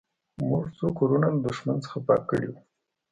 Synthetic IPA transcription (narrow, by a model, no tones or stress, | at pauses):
muʐt͡sokoɾunald̪ʊʃmant͡sə̥xapɑ̰kːə̰ɽiwu